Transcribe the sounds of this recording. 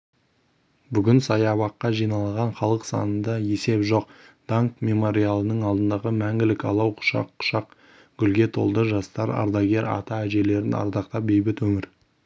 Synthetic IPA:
bʏɡʲɪnsɑjɑβɑqːɑʒijnɑlˠɑʁɑɴχɑlˠəqsɑ̰nənd̪ɑje̞se̞pʒo̞q̚d̪̥aŋkmʲe̞mo̞ɾialˠənəɴɑlˠd̪ənd̪ɑʁəmæŋɡʲɪlɪkɑ̰lˠɑwqʰʊ̥ʃɑ̰qːʊ̥ʃɑq | ɡ̥ʲʏlɡʲe̞t̪ʰo̞̰lˠd̪əʒɑst̪ɑɾɑ̰ɾd̪ɑɡʲe̞ɾɑ̰t̪ɑæʒe̞le̞ɾɪnɑ̰ɾd̪ɑqt̪ɑp̚be̞jbɪt̪wɵmɪɾ

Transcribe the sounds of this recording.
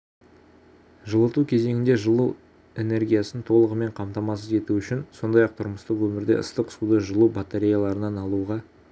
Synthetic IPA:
ʒəlˠət̪ukʲʰe̞ze̞ŋʲɪnd̪e̞ʒəlˠu | e̞ne̞rɡʲijasənt̪ʰo̞lˠəʁəme̞ɴqʰɑmt̪ɑmɑs̬əze̞t̪uʏʃɪnso̞nd̪ɑjɑq̚t̪ʰʊɾməst̪əqwɵmɪɾd̪e̞̰ʊ̰st̪əqsud̪əʒəlˠubat̪eɾʲijalˠɑɾənɑnɑlˠuʁɑ

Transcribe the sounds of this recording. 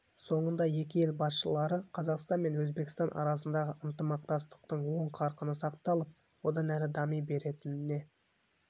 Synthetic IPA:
so̞ɴənd̪ɑje̞kʲɪje̞lbɑsʃəlˠɑɾəqʰɑzɑqst̪ɑnme̞nwɵzbe̞kʲɪst̪ɑnʔɑ̰ɾɑs̬ənd̪ɑʁəʔənt̪əmɑq̚t̪ɑst̪ə̥q̚t̪əɴwo̞ɴqʰɑɾqənəsɑqt̪ɑlˠəp̚ | wo̞d̪ɑnæɾɪd̪ɑmijbe̞ɾe̞t̪ɪnɪne̞

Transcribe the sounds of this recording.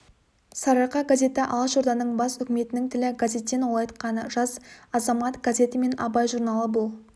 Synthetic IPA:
sɑɾɑqɑɡazʲe̞t̪ɪʔɑ̰lˠəʃoɾd̪ɑnəɴbɑsʏkʲɪme̞t̪ɪnɪŋt̪ʰɪlɪɡazʲe̞t̪ːe̞nwolˠɑjt̪qɑnəʒɑzɑzɑmɑt̪ɡ̥azʲe̞t̪ɪme̞nɑ̰bɑjʒuɾnɑlˠəbʊlˠ

